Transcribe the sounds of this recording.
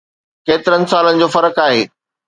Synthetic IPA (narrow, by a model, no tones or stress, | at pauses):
keːt̪ɪɾənɪ̆saːlənɪ̆d͡ʑoːfɐɾəkaːɦeː